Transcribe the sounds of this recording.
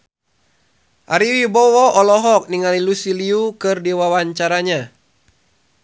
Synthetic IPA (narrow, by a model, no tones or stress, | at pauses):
ʔaɾiwibɔwɔʔɔlɔɦɔk̚niŋalilusiliukɨrdiwawaɲt͡ʃaɾaɲa